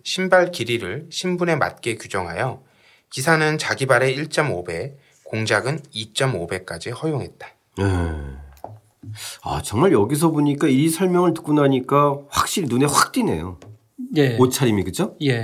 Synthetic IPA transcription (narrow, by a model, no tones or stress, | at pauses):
ɕʰimbaɭkiɾiɾɯɭɕʰimbune̞ma̰t̚k͈e̞kjud͡ʑʌŋɦa̰jʌ | kisʰanɯnt͡ɕaɡibaɾe̞iɭt͡ɕ͈ʌmobe̞ | koŋd͡ʑaɡɯnit͡ɕ͈ʌmobe̞k͈ad͡ʑihʌjoŋɦe̞t̚t͈ḁ | je | a̰t͡ɕʌŋmaɭjʌɡis̬ʰʌboɲik͈aisʰʌɭmjʌŋɯɭtɯ̥k͈unaɲik͈aɸwak̚ɕ͈iɾinuneɸwak̚t͈ine̞̰jo̰ | jeot͡ɕʰaɾimikɯd͡ʑoje